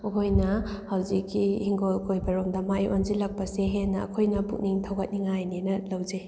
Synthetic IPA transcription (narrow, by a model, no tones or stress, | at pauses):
kojnɐhawzikːihiŋɡolkʰojbɐɾomdɐmaʔjʔonzilɐk̚pɐseɦenːɐɐ̰kʰojnɐbuk̚niŋtʰɐwɡɐt̚niŋajninɐlɐwd͡ʒej